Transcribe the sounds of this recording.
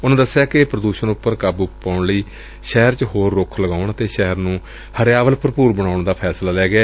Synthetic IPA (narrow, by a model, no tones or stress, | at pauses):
ʊnãːd̪əsːjaːkɪpɾəd̪uːʃənʊpːəɾkaːbuaːʊɳləiː | ʃɛːəɾt͡ʃɦoːɾːʊkʰləɡaːʊɳət̪eːʃɛɦəɾnũː | həɾjaːʋəlpəɾpuːɾbəɽ̃aːʊɳd̪aːpʰɛːslaːlɛːɡɪaː